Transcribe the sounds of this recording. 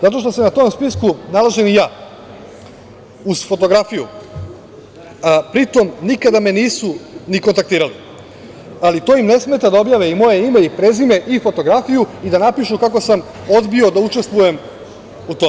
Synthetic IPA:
zat̪o̞ʃt̪o̞senat̪o̞mspiskunalˠaʒe̞nijaː | uz̥fo̞t̪o̞ɡɾafijṵ | pɾit̪o̞mnikad̪ame̞niːsuniko̞nt̪ak̚t̪iːɾali | alit̪o̞imne̞sme̞t̪ad̪ao̞bjaʋeimo̞jeime̞ipɾe̞zime̞ʔifo̞t̪o̞ɡɾafijuid̪anapiʃukako̞sam | o̞d̪bio̞d̪aut͡ʃe̞st̪ʋuje̞m | ut̪o

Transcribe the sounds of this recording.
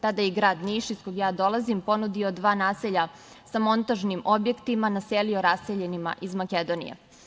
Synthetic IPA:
t̪ad̪ajɛɡɾaːd̪niʃiskoɡjaːd̪o̞lˠazimpo̞nud̪iod̪ʋaːnaːseʎa | samo̞nt̪aʒnimo̞bje̞kt̪imanaselio̞ɾaseʎenima̰ʔizmaked̪o̞nḭjḛ

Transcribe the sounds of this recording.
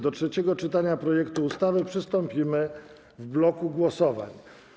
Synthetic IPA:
d̪ɔtʂɛt͡ɕɛɡɔt͡ʂɘt̪aɲapɾɔjɛkt̪uːst̪avɘpʂɘst̪ɔmpʲimɘ | vblɔkuɡwɔsɔva̰ɲ

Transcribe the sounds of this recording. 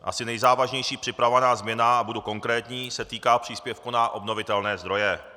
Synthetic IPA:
ʔa̰sɪnɛjzaːvaʒɲɛjʃiːpr̥ɪpɾavovanaːzmɲɛnaabuduko̞ŋkɾɛːt̪ɲiːsɛt̪iːkaːpr̝̥iːspjɛfkunaʔo̞bno̞vɪt̪ɛlnɛːzd̪ɾo̞jɛ

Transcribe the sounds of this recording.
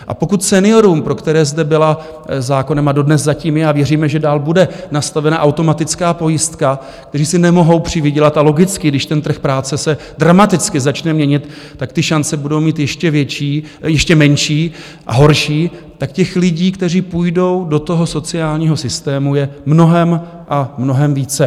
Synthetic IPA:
ʔa̰po̞kut̪sɛnɪoɾumpɾo̞kt̪ɛɾɛːzdɛbɪla | zaːko̞nɛmado̞dnɛszaciːmjɛaːvjɛriːmɛʒɛdaːlbudɛnast̪avɛnaʔawt̪o̞mat̪ɪt͡skaːpo̞jɪst̪ka | k̚t̪ɛriːsɪnɛmo̞ɦo̞wpr̝̥ɪvɪɟɛlat̪alo̞ɡɪt͡skɪɡdɪʃt̪ɛnt̪r̩xpɾaːt͡sɛsɛ | dɾamat̪ɪt͡skɪzat͡ʃnɛmɲɛɲɪt̪ː | akt̪ɪʃant͡sɛbudo̞wmiːt̪jɛʃcɛvjɛt͡ʃiː | jɛʃcɛmɛnʃiː | ʔa̰ɦo̞ɾʃiː | t̪akcɛxlɪɟiːkt̪ɛriːpujdo̞wdo̞t̪o̞ɦo̞so̞t͡sɪaːlɲiːɦo̞sɪst̪ɛːmujɛmno̞ɦɛm | ʔamno̞ɦɛmviːt͡sɛ

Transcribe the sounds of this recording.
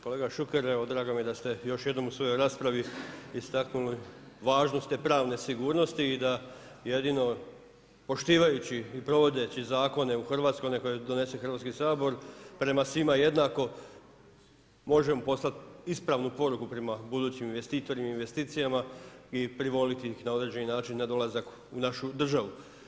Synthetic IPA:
ko̞le̞ːɡaʃukeɾeʋod̪ɾaːɡomijed̪ast̪e̞jo̞ʃje̞d̪no̞musʋo̞jo̞jɾaːspɾaʋiist̪aknuli | ʋaːʒnost̪epɾaːʋne̞siɡuːɾno̞st̪iːd̪a | je̞d̪ino̞ | po̞ʃt̪iːʋajut͡ɕiːpɾo̞ʋo̞d̪e̞t͡ɕizaːko̞ne̞uxrʋat̪sko̞jneko̞jed̪o̞ne̞se̞xər̩ʋat̪skisaːbo̞ɾpɾe̞masʋimaje̞d̪naːko̞ | mo̞ʒe̞mopo̞slˠat̪ispɾaʋnupo̞ɾukupɾe̞mabud̪uːt͡ɕiminʋe̞st̪iːt̪o̞ɾimainʋe̞st̪iːt̪sijamaipɾiʋo̞lit̪iixnao̞d̪ɾe̞d͡ʑe̞ninaːt͡ʃinːad̪o̞lˠazak | unaʃud̪r̩ʒaʋu

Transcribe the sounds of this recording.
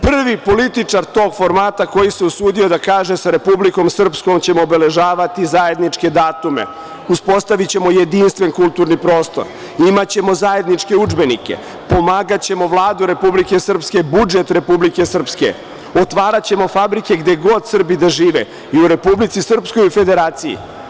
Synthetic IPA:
pr̩ʋipo̞lit̪it͡ʂaɾt̪o̞ːɡfo̞ɾmaːt̪ako̞jiseusuːd̪io̞d̪akaːʒesaɾe̞publiko̞msr̩psko̞mt͡ɕe̞moːbele̞ʒaːʋat̪izaje̞d̪nit͡ʂke̞d̪aːt̪umḛ | uspo̞st̪aʋit͡ɕe̞mo̞je̞d̪inst̪ʋe̞nkulˠt̪uːɾnipɾo̞ːst̪o̞̰ɾ | imat͡ɕe̞mo̞zaje̞d̪nit͡ʂke̞ud͡ʒbe̞nikḛ | po̞maːɡat͡ɕe̞mo̞ʋlˠaːd̪uɾe̞publike̞sr̩pske̞bud͡ʒet̪ɾe̞publike̞sr̩pskḛ | ot̪ʋaːɾat͡ɕe̞mo̞fabɾike̞ɡd̪eɡo̞d̪sr̩bid̪aʒiːʋḛ | iuɾe̞publit̪sisr̩psko̞jufe̞d̪e̞ɾaːt̪sijḭ

